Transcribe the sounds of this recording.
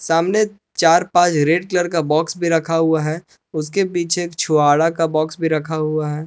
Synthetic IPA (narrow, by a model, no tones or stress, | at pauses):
saːmne | t͡ʃaːɾpãːt͡ʃɾeːɖkləɾkabɔːksbʱiɾɐkʰaɦʊaɦɛː | ʊskepiːt͡ʃʰekt͡ʃʰʊaːɽakabɔːksbʱiɾɐkʰaɦʊaɦɛː